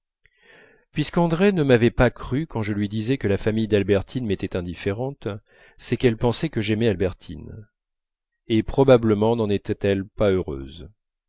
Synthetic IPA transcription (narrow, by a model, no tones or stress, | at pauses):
pɥiskɑ̃d̪ʁɛnəmavɛpakχykɑ̃ʒəlɥid̪izɛkəlafamijd̪albɛʁt̪ʰinmet̪ɛt̪ɛ̃d̪ifeʁɑ̃t̪ | sɛkɛlpɑ̃sɛkəʒɛmɛalbɛʁt̪ʰḭn | epχɔbabləmɑ̃nɑ̃net̪ɛt̪ɛlpaøʁø̰ːz